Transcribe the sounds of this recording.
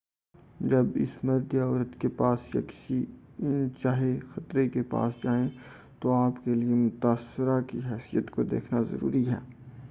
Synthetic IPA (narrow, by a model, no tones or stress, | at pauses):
d͡ʒɐbɪ̰smɐɾd̪ɔːɾət̪kepaːsja̰kɪ̥si | ɪnt͡ʃaːɦexɐt̪ɾekepa̰ːsd͡ʒaːẽ | t̪oaːpkeliemʊt̪aːsːɪɾakiɦɛːsijət̪kod̪ḛːkʰnazɐ̰ɾṵːɾiɦɛ̰ː